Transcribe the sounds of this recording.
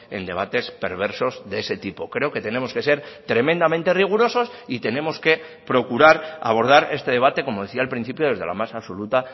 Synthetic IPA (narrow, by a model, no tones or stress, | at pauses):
e̞̰nd̪e̞βat̪e̞spe̞̰ɾβ̞e̞ɾso̞zðeese̞t̪ipo̞kɾe̞oke̞t̪e̞ne̞mo̞ske̞se̞ɾt̪ɾe̞mẽ̞nd̪ament̪e̞riɣ̞uɾo̞so̞sit̪e̞ne̞mo̞ske̞ | pɾo̞kuɾaɾa̰β̞o̞ɾð̞aɾe̞st̪e̞ðe̞β̞at̪e̞ko̞mo̞ð̞e̞θiaelpɾin̟θipjo̞ð̞e̞zðe̞la̰masaβso̞lut̪a